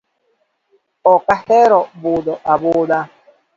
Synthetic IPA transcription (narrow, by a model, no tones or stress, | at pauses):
ɔkahɛɾɔbʊdɔʔabʊːda